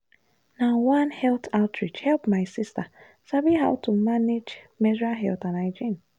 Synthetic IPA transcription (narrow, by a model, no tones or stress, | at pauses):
nawãnhɛltʰaʊtɹid͡ʒhɛlpmaɪsɪsta | sabiɦaʊtumaned͡ʒ | mɛzɹaɦɛ̰ltanaɪd͡ʒĩn